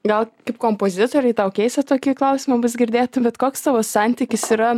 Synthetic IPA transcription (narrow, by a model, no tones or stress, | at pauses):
ɡɐlˠkɐɪpkoːmpoːzʲɪt̪oːɾʲɛɪt̪ɐʊkʲɛɪsʲɐt̪oːkʲiːklˠɐʊsʲɪmɐbʊsɡʲɪɾʲd̪ʲeːt̪bʲɛt̪koːkst̪ɑʋoːsɑnʲt̪ʲiːkʲɪsiɾɐ